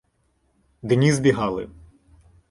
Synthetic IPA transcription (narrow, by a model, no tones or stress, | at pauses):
d̪enʲizbʲiɦɑlˠɪ̰